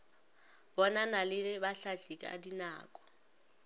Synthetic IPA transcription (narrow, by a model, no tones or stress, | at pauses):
bɔnanalɪlɪbaɬaɬikʼa̰dina̰ːkʼɔ̥